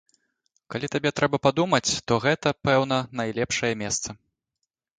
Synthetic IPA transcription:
kalʲit̪abʲɛt̪ɾɛbɐpad̪umɐt͡sʲt̪ɔɣɛt̪ɐpɛwn̪ɐnajlʲɛpʂɐjɐmʲɛst̪sɐ

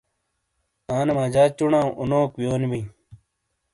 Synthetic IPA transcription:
aːnemãːd͡ʑaːt͡ɕuɳãːʔunoːkwjoːnibĩː

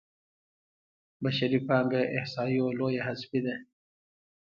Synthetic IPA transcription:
baʃaɾipɑːŋɡaʔɪhsɑːioloːjaɦasfid̪a

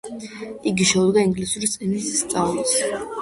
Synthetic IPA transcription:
iɡiʃɛud̪ɡaiŋɡlisuɾist̪sʼinisːt̪sʼavlɔs

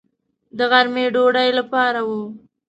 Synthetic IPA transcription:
d̪əɣaɾmeɖoɽajlapɑɾawu

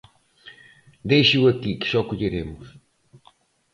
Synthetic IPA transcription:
d̪ejʃuɐkikɨ̥sɔkuʎiɾemʊʃ

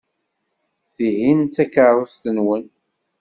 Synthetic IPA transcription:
θihint̪ːækəɾˤəst̪ənwən

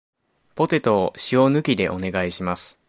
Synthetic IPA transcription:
po̞t̪e̞t̪o̞ɕio̞nɯ̟kʲid̪e̞ʔo̞ne̞ɡaiɕimasɨ̥

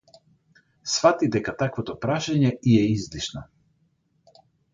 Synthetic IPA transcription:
sfat̪id̪ɛkat̪akvɔt̪ɔpɾaʃaɲɛiɛizliʃna

